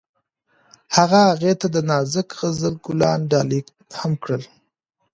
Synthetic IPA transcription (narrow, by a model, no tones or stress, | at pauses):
haɣahaɣet̪ad̪ənɑzɪkɣəzəlɡʊlɑnɖɑlik | hamkɽəl